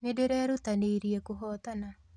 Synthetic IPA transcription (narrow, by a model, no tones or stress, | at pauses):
medeɾɛɾut̪aneɾiekuɦɔt̪ana